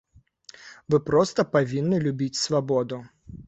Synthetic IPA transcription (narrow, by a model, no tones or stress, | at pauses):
vɨpɾɔst̪ɐpavʲinːɨlʲubʲit͡sʲsvabɔd̪u